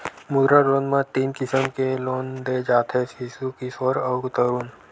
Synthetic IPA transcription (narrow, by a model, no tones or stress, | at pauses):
mʊd̪ɾaɾoːnmãt̪iːnkɪsəmkeloːnd̪ed͡ʒaːt̪ʰɦesisukisɔːɾəːɡt̪əɾuːn